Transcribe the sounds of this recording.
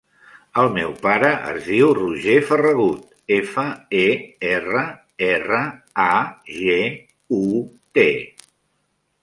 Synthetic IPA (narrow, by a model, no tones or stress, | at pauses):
əlˠmɛwpaɾəʔə̰zðiwruʒefərəɣut̪ | efəeerə | erə | aʒe | u | t̪e